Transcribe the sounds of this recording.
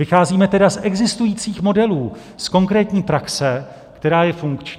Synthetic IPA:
vɪxaːziːmɛt̪ɛdasʔɛɡzɪst̪ujiːt͡siːxmo̞dɛluː | sko̞ŋkɾɛːt̪ɲiːpɾaksɛ | kt̪ɛɾaːjɛfuŋkt͡ʃ

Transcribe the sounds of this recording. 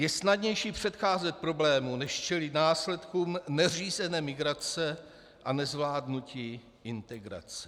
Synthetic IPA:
jɛsnadɲɛjʃiːpr̝̥ɛt̪xaːzɛt̪̚pɾo̞blɛːmunɛʃt͡ʃɛlɪt̪naːslɛt̪kuːmnɛr̝iːzɛnɛːmɪɡɾat͡sɛ | ʔanɛzvlaːdnuciː | ʔɪnt̪ɛɡɾa̰t͡sɛ̥

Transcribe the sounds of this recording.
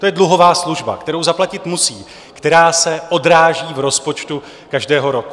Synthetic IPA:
t̪o̞jɛdluɦo̞vaːsluʒba̰kt̪ɛɾo̞wzaplacɪt̪musiː | kt̪ɛɾaːsɛʔo̞dɾaːʒiːvɾo̞spo̞t͡ʃt̪u | kaʒdɛːɦo̞ɾo̞ku̥

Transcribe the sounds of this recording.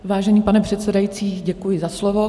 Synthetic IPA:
vaːʒɛɲiːpanɛpr̥ɛt̪sɛdajit͡siːɟɛkujɪzaslovo

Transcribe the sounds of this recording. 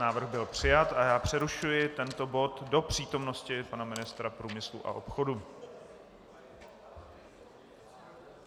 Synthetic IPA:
naːvr̩ɣbɪlpr̝̥ɪjat̪ʔajaːpr̝̥ɛɾuʃujɪt̪ɛnt̪o̞bo̞t̪do̞pr̝̥iːt̪o̞mno̞scɪpanamɪnɪst̪ɾapɾuːmɪslṵʔa̰ʔo̞pxo̞du

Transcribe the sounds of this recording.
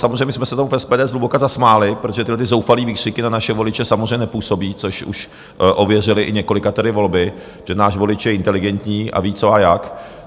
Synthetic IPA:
samozrɛjmɲɛsmɛsɛt̪omufɛspɛːdɛːzlubokazasmaːlɪpɾot̪oʒɛt̪ɪdlɛt̪ɪzowfaliːviːr̥ɪkɪnanaʃɛvo̞lɪt͡ʃɛsamozrɛjɲɛnɛpuːso̞biːt͡soʃṵʃ | ʔo̞vjɛr̝ɪlɪʔɪɲɛko̞lɪkat̪ɛdɪvo̞lbɪ | ʒ̥ɛnaːʃvo̞lɪt͡ʃjɛɪnt̪ɛlɪɡɛnt̪ɲiːʔa̰viːt͡soajak

